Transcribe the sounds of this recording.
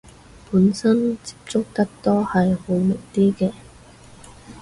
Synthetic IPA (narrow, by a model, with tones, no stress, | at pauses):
puː˨˧˥nsɐ˥nt͡si̥˨˥p̚t͡sʊ˥k̚t̪ɐ˥k̚t̪ɔː˥hɐ˨jho˨˧˦wmɪ˨˩k̚t̪iː˥kɛː˧˩